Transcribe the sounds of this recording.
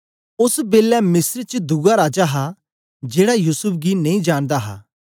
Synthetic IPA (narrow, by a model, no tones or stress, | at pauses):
ʊsbeːlɛmɪsəɾt͡ʃd̪uɡaɾaːd͡ʒaɦa | d͡ʒeːɽajuːsʊp̚ʰɡinɐĩːd͡ʒaːɽ̃d̪aɦa̰ː